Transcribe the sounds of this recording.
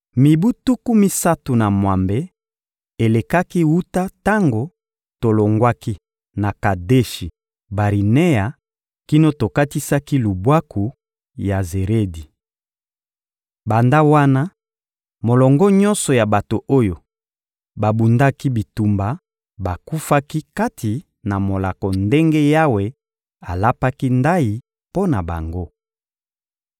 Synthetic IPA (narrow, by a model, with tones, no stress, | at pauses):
mi˨bu˦tu˦ku˦mi˦sa˦tu˨na˨mwa˨mbe˨˦ | e˨le˨ka˦ki˦wu˦ta˦ta˦ŋɡo˨ | to˨lo˨ŋɡwa˦ki˦ | na˨ka˨de˦ʃi˨ | ba˨ʁi˨ne˦ja˨ | ki˦no˦to˨ka˦ti˦sa˦ki˦lu˨bwa˦ku˨ | ja˨ze˨ʁe˦di˨ | ba˨nda˦wa˦na˦ | mo˨lɔ˨ŋɡɔ˦ɲɔ̃˦nsɔ˨ja˨ba˨to˨ʔo˦jo˨ | ba˨bu˨nda˦ki˦bi˨tu˨mba˨ | ba˨ku˦fa˦ki˦ka˦tʰi˨ | na˨mo˨la˨kɔ˨nde˦ŋɡe˦ja˦we˨ | a˨la˦pa˦ki˦nda˦ji˨ | po˦na˨ba̰˨ŋɡo˦